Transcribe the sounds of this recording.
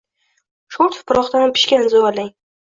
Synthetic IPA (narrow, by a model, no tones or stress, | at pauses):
ʃoɾt̪ʰfpʰʊɾɒχt̪anpʰɪ̥ʃkʲanzoalaŋ